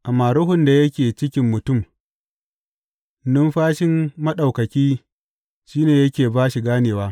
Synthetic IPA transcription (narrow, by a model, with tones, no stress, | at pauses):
ʔa˨mːaː˨ɾʊ˦ɦʊ˨nda˨jɐ˦kʲeː˨t͡ʃɪ˦kʲɪ˦mːʊ˨tʊ˦˨m | nʊ˦mɸaː˦ʃɪ˦mːɐ˦ɗa˨wkɐ˨kʲiː˦ | ʃiː˦neː˨jɐ˦kʲeː˨baː˦ʃi˨ɡaː˦neː˨waː˦